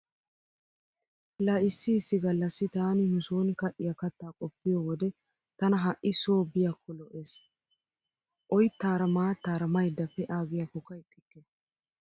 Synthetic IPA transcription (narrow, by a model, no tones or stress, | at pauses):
laːʔɪsːɪːsːɪɡɐlːɐsːɪt̪aːnɪnʊsoːnkɐʔːɪjakɐt̪ːaːkʼɔpːɪjɔːwɔd̪ɛ | t̪ɐnɐɦɐʔɪsoːbɪjakʰːɔlɔʔe̞ːs | ʔɔjt̪ːaːɾɐmaːt̪aːɾɐmɐjd̪ːɐfːɛʔaːɡɪjakɔkːɐɪtʼːɪkːɛ